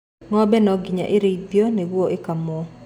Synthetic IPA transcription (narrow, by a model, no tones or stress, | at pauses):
ŋɔbɛnɔɡiɲa̰ʔɪɾedjonewwoʔɪkamɔ